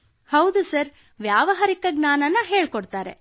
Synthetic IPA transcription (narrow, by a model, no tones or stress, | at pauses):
hɐwd̪usɐɾ | ʋjaːʋɐɦɐɾikɐɡnaːnɐnːɐɦe̞ːɭkoɽt̪aːɾḛ